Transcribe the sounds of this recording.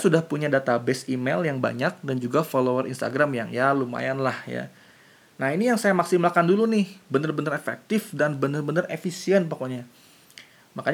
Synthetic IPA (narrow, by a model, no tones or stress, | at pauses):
sudahpuɲadat̪abɛsimɛljaŋba̰ɲak̚dand͡ʒuɡafolowərḭnst̪a̰ɡɾamja̰ŋjaluma̰janlahja̰ | naɦinijaŋsajamaksimlakandulunɪhbənərbənəɾefɛ̰k̚t̪ɪfdanbənərbənərefisiɛnpakoɲa | makaɲ